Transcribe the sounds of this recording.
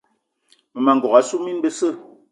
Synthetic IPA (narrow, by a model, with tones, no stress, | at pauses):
mə˨ma˨ŋɡɔ˨a˨su˦mi˦nbə˦sə˦˨